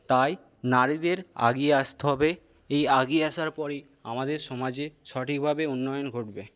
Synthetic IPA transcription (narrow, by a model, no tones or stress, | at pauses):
t̪aj | naɾid̪eɾa̰ɡieaʃt̪eɦɔbe | ejaɡieaʃaɾpɔɾi | a̰mad̪eɾʃɔmad͡ʑeʃɔʈik̚bʱabeunːɔjonɡʱoʈbe